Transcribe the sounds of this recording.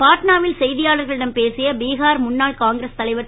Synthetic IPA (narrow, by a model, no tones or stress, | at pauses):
paːʈnaːʋɪlsɛjðɪjaːlɐɾɣɐɭɪɽɐmpeːsɪjɐbiːɣaːɾmʊɳːaːɭkaːŋɡɾɐst̪ɐlɐɪʋɐ